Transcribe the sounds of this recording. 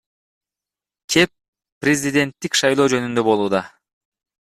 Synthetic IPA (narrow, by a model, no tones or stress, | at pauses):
kʲʰe̞pː | rʲezʲid̪ʲe̞nt̪ːikʃɑjlˠoːd͡ʒø̞nynd̪ø̞bo̞lˠuːd̪ɑ